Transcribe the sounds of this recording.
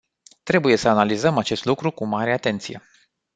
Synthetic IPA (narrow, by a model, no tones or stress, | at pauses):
t̪ɾe̞buje̞səanalizəmat͡ʃe̞st̪lukɾukumaɾe̞at̪e̞nt̪sije̞̰